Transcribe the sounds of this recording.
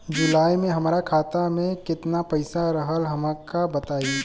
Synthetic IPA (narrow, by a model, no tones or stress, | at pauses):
d͡ʒʊlaːimẽɦɐmɾakʰaːt̪amẽkɪt̪napɐɪsaɾəɦəlɦɐmakabət̪aːi